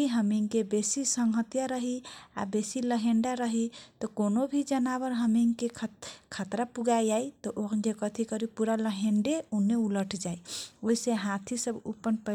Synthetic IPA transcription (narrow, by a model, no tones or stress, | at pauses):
iɦəmiŋkebesisəŋɦət̪jaɾəɦia̰besiləɦẽɳɖaɾəɦit̪ɔkonobʱid͡ʒənabəɾɦəmiŋkekʰkʰat̪ɾapuɡad͡ʒait̪ɔʔod͡ʒekət̪ʰikəɾipuɾaləɦeɳɖeunːeuləʈʰd͡ʒaioisẽɦãt̪ʰisəbṵpːənpə